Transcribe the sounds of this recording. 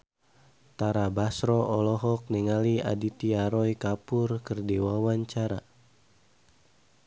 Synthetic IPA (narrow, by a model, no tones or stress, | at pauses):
t̪aɾabasɾɔʔɔlɔɦɔk̚nɛŋalia̰dit̪iaɾɔjkapʊrkərdiwawaɲt͡ʃaɾa